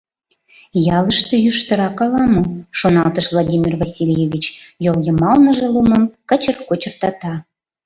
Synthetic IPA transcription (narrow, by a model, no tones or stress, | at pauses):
jɑləʃt̪ĕjyʃt̪ə̆ɾɑkɑlɑmoʃonɑlt̪əʃvlˠad̪ʲimʲirvasʲilʲjevʲit͡ɕjoljə̆mɑlnəʒĕluməmkə̆t͡ɕərkot͡ɕə̆rt̪ɑt̪ɑ